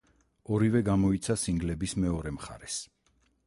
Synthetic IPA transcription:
ɔɾivɛɡamɔit̪sʰasiŋɡlɛbismɛɔɾɛmχa̰ɾɛs

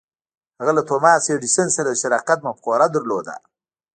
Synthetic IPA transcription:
haɣalat̪ʰomɑːseɖisənsaɾad̪ʃaɾɑqat̪̚mapqoːɾad̪əɾlod̪a̰

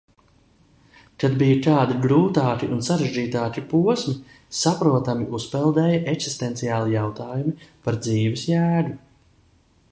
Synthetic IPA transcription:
kad̪bijɐt̪aːd̪iɡɾuːt̪aːt̪iʔunsaɾeʒd͡ʒiːt̪aːkipuɔsmi | sapɾuɔt̪amiʔuspɛlˠd̪ɛːjɐʔeksi̥st̪ɛnt̪sijaːlˠijawt̪aːjumipaɾd̪ziːvɛsjæːd̪u

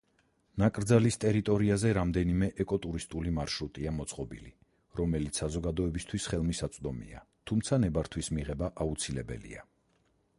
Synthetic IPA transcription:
nakʼɾd̪zalist̪ʼɛɾit̪ʼɔɾiazɛɾamd̪ɛnimɛʔɛkʼɔt̪ʼuɾist̪ʼulimaɾʃɾut̪ʼiamɔt̪sʼqʼɔbḭli | ɾɔmɛlit̪sʰsazɔɡad̪ɔɛbist̪ʰwisχɛlˠmisat̪sʼd̪ɔmḭa̰t̪ʰumt̪sʰanɛbaɾt̪ʰwismiʁɛbaʔaut̪sʰilɛbɛ̰lḭa

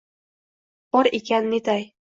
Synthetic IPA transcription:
b̥ɒɾekʲanːet̪aj

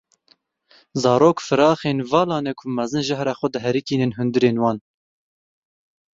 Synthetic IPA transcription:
zɑːɾoːkfɨɾɑːxeːnvɑːlɑːnɛkʰumɛzɨnʒæhɾɑːxʷɛd̪ɨɦɛɾikiːnɨnɦʊnd̪ɨɾeːnwɑːn

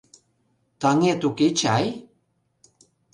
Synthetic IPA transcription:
t̪aŋet̪uket͡ɕaj

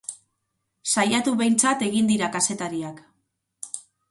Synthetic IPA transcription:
sajat̪uβe̞jnt͡sat̪e̞ɣind̪iɾakase̞t̪aɾiak

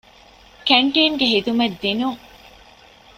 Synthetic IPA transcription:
kæɳʈiːŋɡeɦid̪umɐd̪ːinuŋ

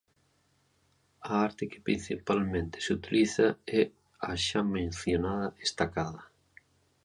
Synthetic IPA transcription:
aaɾt̪ɪkɪ̥pɾĩn̟θipalmẽnt̪ɪ̥sut̪iliθaɛ | aʃamẽnθjonaðɐest̪akaðɐ

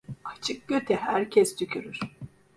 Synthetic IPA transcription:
at͡ʃʰɯk̚ɟ̥øt̪ʰɛhæɾcʰɛsd̪ycʲʰyɾyɾ̥

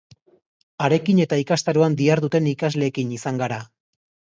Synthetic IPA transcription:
aɾe̞kine̞t̪aikast̪aɾuand̪iaɾðut̪e̞nikazle̞ːkinisaŋɡaɾa

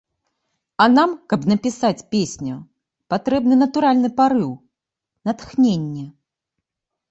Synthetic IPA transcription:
ɐnamkɐpnɐpʲisat͡sʲpʲesʲnʲu | pat̪ɾɛbnɨnɐt̪uɾalʲnɨpaɾɨw | nɐt̪xnʲenʲːɛ

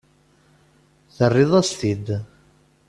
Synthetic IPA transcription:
θərːiðˤast̪id̪

